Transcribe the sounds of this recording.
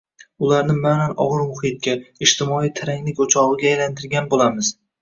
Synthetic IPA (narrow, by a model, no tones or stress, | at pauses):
ʊlaɾnɪmananɒ̰ʁɨɾmʊhɪt̪̚kʲaɪʃt̪ʰɪmɒijt̪ʰɪɾaŋlɪkʲot͡ʃʰɒʁɨɡʲaːjlant̪ʰɪɾɡʲanbolamɪz̥